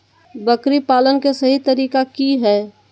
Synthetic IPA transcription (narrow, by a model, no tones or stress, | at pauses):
bəkɾipaːlənkesɐɦit̪əɾiːkakiɦɛː